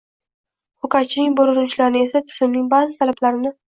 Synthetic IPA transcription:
χʊkat͡ʃʰɪnɪŋʲboɾʊɾʊnt͡ʃlaɾnɪe̞sat̪ʰɪ̥zɪmnɪŋbazɪt̪ʰalablaɾɪnɪ

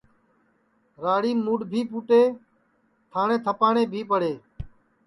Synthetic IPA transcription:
ɾaːɽiːmuːɖbʱiːpuːʈeː | t̪ʰaːɳẽːt̪ʰəpaːɳeːbʱiːpəɽeː

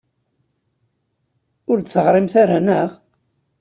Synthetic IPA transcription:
ʊɾt̪θəʁɾˤɪmθaɾanəʁ

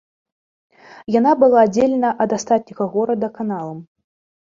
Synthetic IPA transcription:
janabɨlˠaːd͡zʲelʲɛnɐʔɐd̪ast̪at̪̚nʲiɣɐɣɔɾɐd̪ɐkanalˠɐm

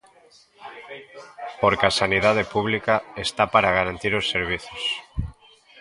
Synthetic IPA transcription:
poɾkeasaniðað̞epuβlikaest̪apaɾaɣaɾant̪iɾosːeɾβ̞iθos

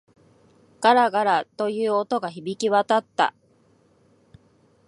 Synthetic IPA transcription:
ɡ̥aɾaɡaɾat̪o̞jɯ̟ːo̞t̪o̞ɡaçibʲikʲiβat̪at̪ːa̰

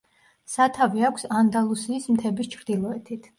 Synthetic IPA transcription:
sat̪ʰaviakʷʰsand̪alˠusiːsmt̪ʰɛbist͡ʃʰɾd̪ilˠɔɛt̪ʰit̪ʰ

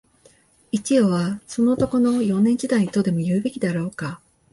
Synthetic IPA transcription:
it͡ɕioβaso̞no̞ːt̪o̞ko̞no̞jõ̞nẽ̞ɲ̟d͡ʑid̪ait̪o̞d̪e̞mo̞jɯ̟ːbe̞kʲid̪aɾo̞ːka

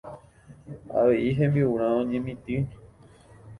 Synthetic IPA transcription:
a̰ʋe̞ʔiɦẽmbiuɾ̃ãõɲẽmĩt̪ɨ̃

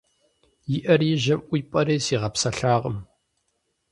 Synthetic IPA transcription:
jɪʔɐrjɪʒɐmʔʷiːpʼɐɾeːsiːʁɐpsɐɬaːʁəm

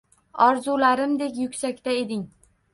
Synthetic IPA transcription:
ɒɾzulaɾɪmd̪e̞kʲjʊkʲsakʲt̪ae̞d̪ɪŋ

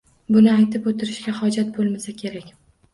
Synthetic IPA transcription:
bʊnɪajt̪ɪpot̪ʰɪɾɪʃɡʲahɒd͡ʒat̪̚bolˠmasakʲʰe̞ɾakʲ

